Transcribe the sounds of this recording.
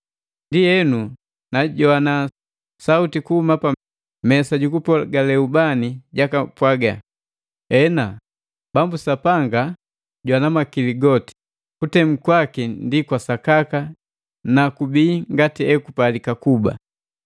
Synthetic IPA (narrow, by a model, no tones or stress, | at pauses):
ndijɛnu | naɟɔana | sautikuhumapa | mɛsaɟukupɔɡalɛubaniɟakapwaɡa | ɛna | b̥ambusapaŋɡa | ɟwanamakiliɡɔti̥ | kutɛm̩kwakindikwasakaka | nakubiːŋɡatiɛkupalikakuba̰